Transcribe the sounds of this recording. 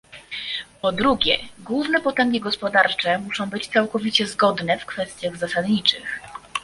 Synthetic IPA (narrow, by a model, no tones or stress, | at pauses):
pɔd̪ɾuɡʲɛɡwuvnɛpɔt̪ɛŋɡʲiɡɔspɔd̪aɾt͡ʂɛmuʂɔ̃w̃bɘt͡ɕt̪sawkɔvʲit͡ɕɛzɡɔd̪nɛfkfɛst̪ʲjaɣzasad̪ɲit͡ʂɘx